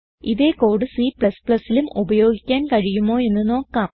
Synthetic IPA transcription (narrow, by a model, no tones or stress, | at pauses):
iðe̞ːkoːɽɨsiːpɭɐspɭɐsːilumubɐjo̞ːɡikʲːaːnkɐɻijumːo̞ːe̞nːɨno̞ːkːaːm